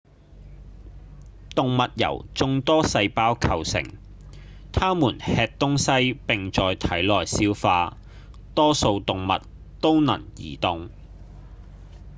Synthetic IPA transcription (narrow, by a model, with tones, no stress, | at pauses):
t̪ʊ˨ŋmɐ˨t̚jɐ̰˨˩wt͡sʊ˧ŋt̪ɔː˥sɐ˧jpaː˥wkʰɐ˨˩wsɪ̰˨˩ŋ | t̪ʰaː˥muː˨˩nhɛː˧k̚t̪ʊ˥ŋsɐ˥jpɪ˨ŋt͡sɔː˨jt̪ʰɐ˨˥jlɔː˨˩jsiː˥wfaː˧ | t̪ɔː˥so˧wt̪ʊ˨ŋmɐ̰˨t̚ | t̪o˥wnɐ̰˨˩ŋjḭː˨˩t̪ʊ˨ŋ